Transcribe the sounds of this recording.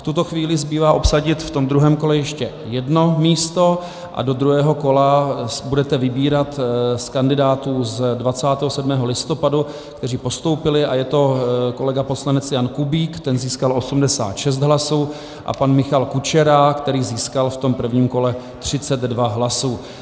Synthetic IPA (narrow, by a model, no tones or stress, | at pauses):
ft̪ut̪o̞xviːlɪzbiːvaːʔo̞psaɟɪt̪ft̪o̞md̪ɾuɦɛːmko̞lɛjɛʃcɛ | jɛdno̞miːst̪o̞ | ʔa̰do̞d̪ɾuɦɛːɦo̞ko̞labudɛt̪ɛvɪbiːɾat̪skandɪdaːt̪uːzdvat͡saːt̪ɛːɦosɛdmɛːɦo̞lɪst̪o̞padu | kt̪ɛriːpo̞st̪o̞wpɪlɪʔajɛt̪o̞ko̞lɛɡaposlanɛt͡sjankubiːkt̪ɛnziːskalo̞sumdɛsa̰ːt̪ʃɛst̪ɦlasuː | ʔa̰panmɪxalkut͡ʃɛɾakt̪ɛɾiːziːskalft̪o̞mpr̩vɲiːmko̞lɛ | t̪r̝̥ɪt͡sɛd̪dvaɦlasuː